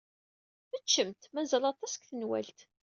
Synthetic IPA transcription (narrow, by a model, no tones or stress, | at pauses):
mət͡ʃːəmt̪mæzælɑt̪ˤɑsə̥kθənwæ̰lt̪